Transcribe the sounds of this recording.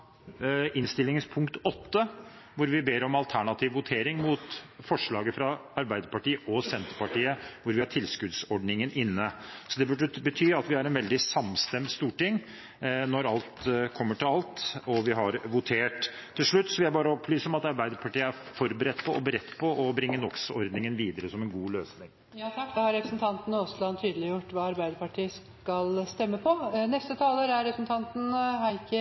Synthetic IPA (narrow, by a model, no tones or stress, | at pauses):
ɪnst̪ɪlːɪŋəspʰʊŋkt̪ɔt̪ːə | ʋʊɾʋɪbeːɾɔmɑlt̪ʰæɳɑt̪ʰiːʋʋʊt̪ʰeːɾɪŋmuːt̪fɔʂɭɑːɡəfɾɑɑɾbæɪd̪əɾpɑʈiːəʔɔsɛnt̪əɾpɑʈiːəʋʊɾʋɪhɑʈʰɪlskʉd̪sɔɖnɪŋənʔɪnːəsɔd̪ɛbʉɖəbət̪ʰyːɑt̪ʋɪhɑɾɛnʋɛld̪ɪsɑmst̪ɛmd̪st̪uːʈɪŋː | nɔɾɑlt̪kʰɔmːəʈʰɪlɑlt̪ɔʋɪɦɑɾʋʊt̪ʰeːʈ̪ʰːɪlʂɭʉt̪ːsɔʋɪhæɪbɑːɾəɔpʰlyːsɔmɑt̪ɑɾbæɪd̪əɾpʰɑʈiːəæɾfɔɾbəɾɛt̪ːpʰɔʔɔbəɾɛt̪ːpʰɔʔɔbɾɪŋːənɔksɔɾd̪nɪŋənʋiːd̪əɾəsɔmɛnɡuːløːsnɪŋ | jɑːt̪ʰɑkːd̪ɛhɑɾɛpɾəsn̩t̪ʰɑnt̪nəɔslɑnt̪ʰyːd̪əlɪjʊʈːʋɑːɑɾbæɪd̪əɾpɑʈʰiːəs | kɑlst̪ɛmːəpʰɔnɛst̪ət̪ʰɑːləɾæɾɛpɾəsn̩t̪ʰɑnt̪n̩ɦɑkə